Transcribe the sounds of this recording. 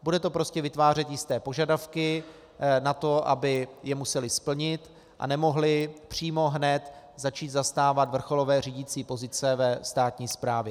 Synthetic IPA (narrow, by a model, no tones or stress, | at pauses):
budɛt̪o̞pɾo̞scɛvɪt̪vaːr̝ɛt̪jɪst̪ɛːpo̞ʒadafkɪ | nat̪o̞ʔa̰bɪjɛmusɛlɪspl̩ɲɪt̪ | ʔa̰nɛmo̞ɦlɪpr̝̥iːmo̞ɦnɛt̪ | zat͡ʃiːt̪zast̪aːvat̪vr̩xo̞lo̞vɛːriːɟɪt͡siːpo̞zɪt͡sɛvɛst̪aːt̪ɲiːspɾaːvjɛ